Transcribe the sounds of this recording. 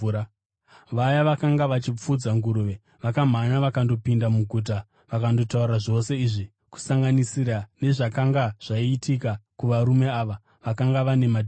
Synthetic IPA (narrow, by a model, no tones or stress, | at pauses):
ʋajaʋakaŋɡaʋat͡ʃip͡fud͡zaŋɡuɾuʋe | ʋakam̤anaʋakando̞pindamuɡʱut̬a | ʋakando̞tauɾaʐo̞se̞iʐi | ku̥saŋɡanisiɾane̞ʐakaŋɡaʐ̥aiːtʰikakuʋaɾume̞aːʋa | ʋakaŋɡaʋane̞mad